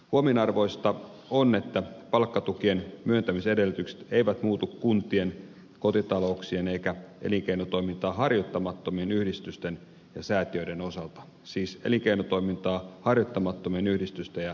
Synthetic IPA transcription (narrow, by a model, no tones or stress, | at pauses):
huominɑrʋo̞ist̪ɑ | one̞t̪ːæpɑlkːɑt̪ukienmyønt̪æmisedelyt̪ykse̥t̪eiʋæt̪muːt̪ukkunt̪ie̞n | ko̞t̪it̪ɑlo̞uksiene̞ikæʔḛliŋkeinot̪o̞imint̪ɑːɦɑrjot̪ːɑmɑt̪ːomienyhdist̪yst̪en | jɑsæːt̪iødeno̞sɑlt̪ɑ | siːsḛliŋkeinot̪o̞imint̪ɑːhɑrjot̪ːɑmɑt̪ːomienyhdist̪yst̪ejɑ